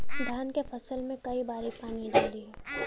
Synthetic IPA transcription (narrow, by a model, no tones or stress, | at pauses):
d̪ʱjaːnkefɐsəlmẽkɐibaːɾipaːniɖaːliɦɛː